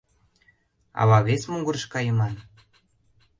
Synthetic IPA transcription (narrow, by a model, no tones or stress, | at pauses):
ɑ̰βɑβesmuŋɡuɾʃkɑjəmɑn